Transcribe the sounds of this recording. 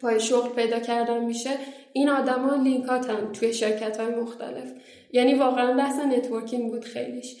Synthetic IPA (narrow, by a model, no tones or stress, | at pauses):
pʰɒːjeʃoɣlpʰe̞jd̪ɒːcʰæɾd̪ænmiːʃe | inɒːd̪æmɒːliŋkʰɒːt̪ʰænt̪ʰuje̞ʃe̞ɾcʰæt̪hɒːjemo̞xt̪æ̰le̞f | jæːniːvɒːɣeænbæhse̞ne̞t̪ʰvo̞ɾcʰiŋbuːd̪̥xe̞̰jliʃ